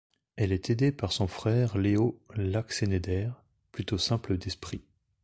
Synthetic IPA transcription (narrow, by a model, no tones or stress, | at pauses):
ɛlɛt̪ʰed̪epaʁsɔ̃fχɛːʁleolaksened̪ɛːʁ | plyt̪osɛ̃pləd̪ɛspχi